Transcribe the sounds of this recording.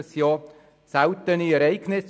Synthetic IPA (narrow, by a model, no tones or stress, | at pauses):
əsjɑː | sawt̪əniɛɾɛɪɡ̥nɪs